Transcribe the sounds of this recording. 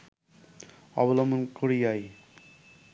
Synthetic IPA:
ɔ̰bɔlɔmonkoɾijaj

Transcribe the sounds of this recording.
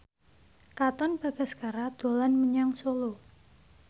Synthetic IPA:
kat̪ɔnb̥a̤ɡ̥a̤sɡ̥aɾad̪̥o̤lanməɲaŋsolo

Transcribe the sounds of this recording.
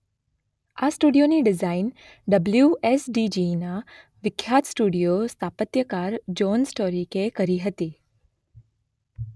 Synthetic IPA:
asʈuɖijoniɖɪzain | ɖəbljuesɖid͡ʒina | ʋɪkʰjat̪sʈuɽijost̪ʰapət̪jəkaɾd͡ʒonsʈoɾikekəɾiɦət̪i

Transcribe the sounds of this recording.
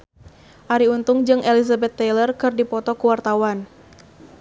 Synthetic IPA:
ʔaɾiunt̪ʊŋd͡ʒɨŋʔelizabɛt̪ːɛlərkɨrdipɔt̪ɔkuwart̪awan

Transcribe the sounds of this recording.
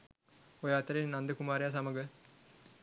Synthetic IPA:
ojəat̪əɾenːand̪əkumaːɾejasaməɡə

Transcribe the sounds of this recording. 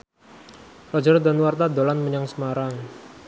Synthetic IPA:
rɔd͡ʒɔrd̪anwart̪ad̪olanməɲaŋsəmaɾaŋ

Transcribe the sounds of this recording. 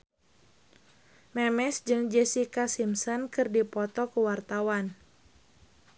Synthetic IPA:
mɛmɛsd͡ʒɨŋd͡ʒɛsikasimsɔnkɨrdipɔt̪ɔkuwart̪awan

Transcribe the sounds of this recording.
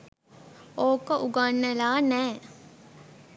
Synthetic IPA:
oːkəʔuɡanːəlaːnɛː

